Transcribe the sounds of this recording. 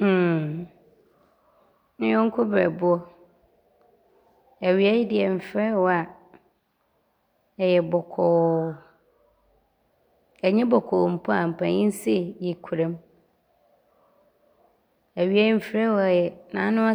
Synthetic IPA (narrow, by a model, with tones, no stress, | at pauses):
m̩ː˦˨ | n̩˦jɔ̃˦ŋ̩˦kʰʊ˦bɛ̰˨bʊ˦ɔ˦ | æ˨ɥi˨a˦jɪ˦dɪ˨ɛ˨m̩˨fɾɛ˦wɔ˦a˨ | ɛ˨jɛ˨bɔ˨kʰɔ˨ | ɛ˨ɲɛ̃˦bɔ˨kʰɔ˨m̩˨pʰɔ˦a˨m̩˨pʰã˨ɲĩ˦n˦si˦˨ji˨kʰu˨ɾɛ̃˦m | æ˨ɥi˦æ˦i˦m̩˨fɾɛ˦wɔ˨˦ɛ˨jɛ˨nã̰˨˦nʊ̃˦a˦